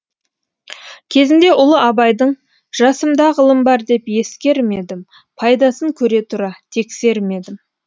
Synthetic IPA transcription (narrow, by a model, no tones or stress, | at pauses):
kʲʰe̞zɪnd̪e̞ʔʊlˠəɑbɑjd̪əɴ | ʒ̥ɑsəmd̪ɑʁəlˠəmbɑɾd̪e̞pje̞skʲe̞ɾme̞d̪ɪm | pʰɑjd̪ɑsəŋkʲʰɵɾe̞t̪ʰʊɾɑt̪ʰe̞kse̞ɾme̞d̪ɪm